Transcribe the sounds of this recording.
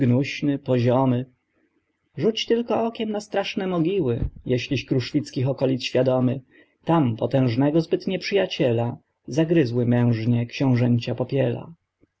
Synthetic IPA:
ɡnuɕnɘpɔʑɔmɘ | ʐut͡ɕt̪ɘlkɔɔkʲɛmnast̪ɾaʂnɛmɔɡʲiwɘjɛɕlʲiɕkɾuʂfʲit̪skʲixɔkɔlʲit̪sɕfʲjad̪ɔmɘ | t̪ampɔt̪ɛ̃w̃ʐnɛɡɔzbɘt̪ɲɛpʂɘjat͡ɕɛla | zaɡɾɘzwɘmɛ̃w̃ʐɲɛkɕɔ̃w̃ʐɛɲt͡ɕapɔpʲjɛla̰

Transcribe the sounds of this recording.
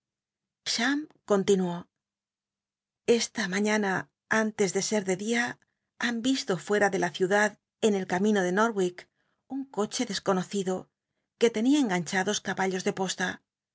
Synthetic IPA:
ʃamko̞nt̪inuo̞ | e̞st̪amaɲana | ant̪e̞zðe̞se̞ɾðe̞ðia | ambist̪o̞fwe̞ɾaðe̞laθjuðað | e̞ne̞lkamĩno̞ðe̞noɾwik | uŋko̞t͡ʃe̞ðe̞sko̞no̞θiðo̞ | ke̞t̪e̞niaeŋɡaɲt͡ʃaðo̞skaβaʎo̞zðe̞po̞st̪a

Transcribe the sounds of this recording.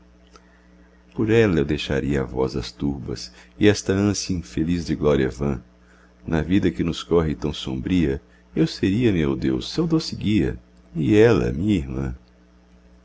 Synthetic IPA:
poɾɛlɐewd̪ejʃa̰ɾiɐavɔ̰zɐst̪uɾbɐ̰sɪɛst̪ɐɐ̃sjɐĩfelizd͡ʒɪɡlɔɾiɐ̰vɐ̃ | nɐvid̪ɐkɪnʊskɔɦɪt̪ɐ̃w̃sõ̰mbɾiɐ | ewseɾiɐmewd̪ewsːewd̪osɪɡiɐ̰ | ɪɛlɐ̰mĩɲɐiɾmɐ̰̃

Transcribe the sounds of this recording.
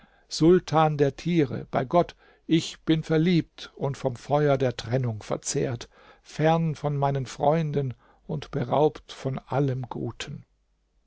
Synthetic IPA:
z̥ʊltʰaːndeːɐtʰiːʁə̰b̥aɪɡɔt | ʔɪçb̥ɪnfɛɐliːp̚tʊntfɔmfɔʏɐdeːɐtʁ̥ɛnʊŋfɛ̰ɐt͡sḛːɐt | fɛɐnfɔnmaɪnənfʁ̥ɔ̰ʏndən | ʊntb̥əʁa̰ʊptfɔnʔaləmɡṵːtʰən

